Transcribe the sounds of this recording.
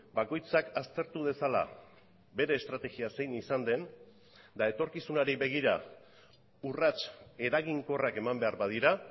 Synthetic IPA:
bako̞jt͡sakast̪e̞ɾt̪uð̞e̞sala̰ | be̞ɾe̞ːst̪ɾat̪e̞ɣiase̞jnisand̪e̞n | d̪ae̞t̪o̞ɾkisunaɾiβe̞ɣ̞iɾa | urat͡ʃe̞ɾaɣiŋko̞rake̞mambe̞aɾbað̞iɾa

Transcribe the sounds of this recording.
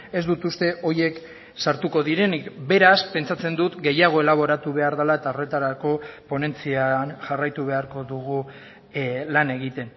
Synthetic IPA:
e̞zd̪ut̪ust̪e̞ʔo̞je̞k | saɾt̪uko̞ðiɾe̞nikbe̞ɾaspe̞nt͡sat͡se̞nd̪ut̪ɡe̞jaɣ̞o̞e̞laβ̞o̞ɾat̪uβe̞aɾðalae̞t̪aore̞t̪aɾako̞po̞ne̞nt͡sianʝarajt̪uβ̞e̞aɾko̞ðuɣu | lane̞ɣit̪e̞n

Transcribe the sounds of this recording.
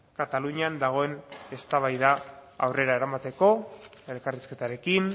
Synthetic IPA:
kat̪aluɲiand̪aɣ̞o̞e̞ne̞st̪aβ̞ajðaa̰wre̞ɾae̞ɾamat̪e̞ko̞e̞lkariske̞t̪aɾe̞kin

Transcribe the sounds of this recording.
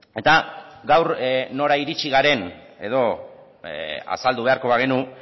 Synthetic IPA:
e̞t̪aɡawɾno̞ɾaiɾit͡ʃiɣaɾe̞ne̞ðo̞ | a̰sald̪uβe̞aɾko̞βaɣ̞e̞nu

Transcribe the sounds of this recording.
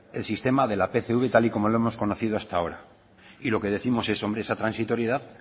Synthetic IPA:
e̞lsist̪e̞maðe̞lape̞θeuβe̞t̪aliko̞mo̞loe̞mo̞sko̞noθið̞oast̪ao̞ɾa | ilo̞ke̞ðe̞θimo̞se̞so̞mbɾeesat̪ɾansit̪o̞ɾjeð̞aθ

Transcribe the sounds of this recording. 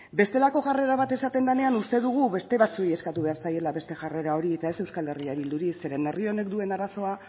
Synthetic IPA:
be̞st̪e̞lako̞ʝare̞ɾaβ̞at̪e̞sat̪e̞nd̪ane̞anust̪e̞ðuɣ̞uβe̞st̪e̞βat͡suieskat̪uβe̞aɾsaje̞laβe̞st̪e̞ʝare̞ɾao̞ɾiet̪ae̞se̞wskale̞riaβ̞ild̪uɾise̞ɾe̞ne̞rio̞ne̞kd̪ue̞naɾaso̞a

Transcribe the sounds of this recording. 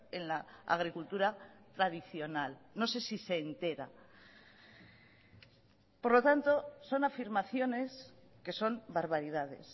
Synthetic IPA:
e̞nlaa̰ɣɾikult̪uɾat̪ɾað̞iθjo̞nalno̞se̞sise̞ːnt̪e̞ɾa̰ | po̞ɾlo̞t̪ant̪o̞so̞nafiɾmaθjo̞ne̞s | ke̞so̞mbaɾβaɾiðaðe̞̰s

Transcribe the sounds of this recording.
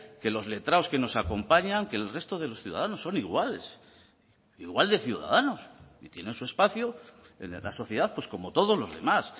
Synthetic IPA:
ke̞lo̞zle̞t̪ɾaoske̞no̞sako̞mpaɲaŋke̞ːlre̞st̪oð̞e̞lo̞sθjuðaðano̞sːo̞niɣwales | iɣwald̪e̞θjuða̰ðano̞sit̪jene̞nsue̞spaθjo | ḛn̰la̰so̞θje̞ðaθpwe̞sko̞mot̪o̞ð̞o̞zlo̞zðe̞̰mas

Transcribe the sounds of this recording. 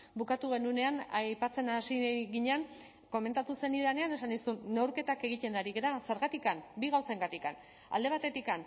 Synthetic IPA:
bukat̪uɣ̞e̞nune̞anajpat͡se̞nasiɣiɲean | ko̞me̞nt̪at̪use̞niðane̞ane̞sanisunːewɾke̞t̪ake̞ɣ̞it̪e̞naɾiɣeɾase̞ɾɣat̪ikambiɣ̞awse̞ŋɡat̪ikan | a̰ld̪e̞β̞at̪e̞t̪ikan

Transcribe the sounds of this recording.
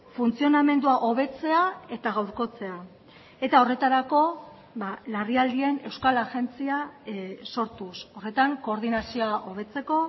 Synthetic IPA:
funt͡sio̞name̞nd̪uaʔo̞β̞e̞t͡se̞ae̞t̪aɣawɾko̞t͡se̞a | e̞t̪ao̞re̞t̪aɾako̞ | balariald̪ie̞ne̞wskalaʝe̞nt͡siaso̞ɾt̪uso̞re̞t̪aŋko̞ːɾðinasioaʔo̞β̞e̞t͡se̞ko̞

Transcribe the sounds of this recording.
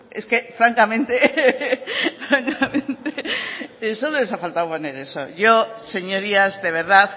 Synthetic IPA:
e̞ske̞fɾaŋkamẽnt̪e | fɾaŋkamẽ̞nt̪eesololesafalt̪awponeɾe̞so̞̰ʝose̞ɲo̞ɾiazðe̞β̞e̞ɾð̞aθ

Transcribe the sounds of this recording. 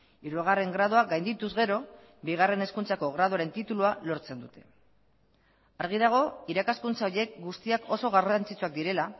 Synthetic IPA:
iɾuaɣ̞are̞ŋɡɾaðoaɡajnd̪it̪uzɣe̞ɾo̞ | biɣ̞are̞ne̞skunt͡sako̞ɣ̞ɾaðoaɾe̞nt̪it̪ulualo̞ɾt͡se̞nd̪ut̪e̞ | aɾɣ̞iðaɣ̞o̞iɾakaskunt͡saoje̞k̚ɡust̪iakʰo̞so̞ɣarant͡sit͡suak̚d̪iɾe̞la

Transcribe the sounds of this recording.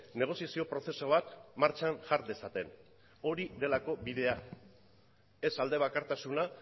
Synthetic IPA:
ne̞ɣ̞o̞siasio̞pɾo̞θe̞so̞β̞at̪maɾt͡ʃanʝaɾd̪e̞sat̪e̞n | o̞ɾiðe̞lako̞βiðe̞a | e̞sald̪e̞β̞akaɾt̪asuna

